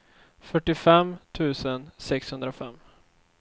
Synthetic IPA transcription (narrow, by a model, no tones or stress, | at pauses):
fœʈːɪfɛmt̪ʰʉ̟ːsənsɛkshɵnd̪ɾafɛ̰mː